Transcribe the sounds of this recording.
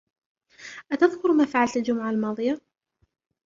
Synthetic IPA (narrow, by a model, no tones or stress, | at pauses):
ʔat̪aðkʊɾmaːfaʕalt̪ald͡ʒʊmʊʕalmɑːðˤɨja